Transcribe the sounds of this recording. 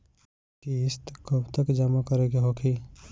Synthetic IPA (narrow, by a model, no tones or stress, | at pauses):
kiɪst̪kəbt̪əkd͡ʒamakəɾeɡeɦokʰi